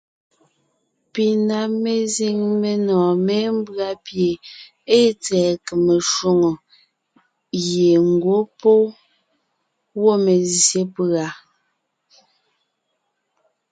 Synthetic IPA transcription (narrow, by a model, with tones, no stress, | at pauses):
pi˨na˨me˨zi˦ŋme˨nɔ̃ː˨me˦m̩˦bɰa˦pje˨ | e˦t͡sɛː˨ke˨me˨ʃwo˦ŋo˨ | ɣe˨ŋ̩˨ɡwo˨˦po˦ | wo˦˨me˨zje˦pɰa˨˦